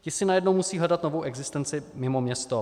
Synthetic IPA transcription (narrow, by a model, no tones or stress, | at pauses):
cɪsɪnajɛdnowmusiːɦlɛdat̪novowʔɛɡzɪst̪ɛnt͡sɪmɪmomɲɛst̪o